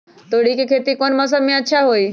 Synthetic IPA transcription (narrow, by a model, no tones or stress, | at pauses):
t̪oɽ̤ikikʰet̪ikonməs̬əmĩətːʃʰaɦoi